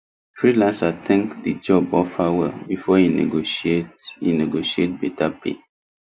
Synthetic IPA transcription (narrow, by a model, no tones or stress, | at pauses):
fɹilãnsatʰɛ̃ŋkdid͡ʒɔbɔfawɛ̰lbifɔhinḛɡoʃetḭneɡoʃiet̚bɛtapḛ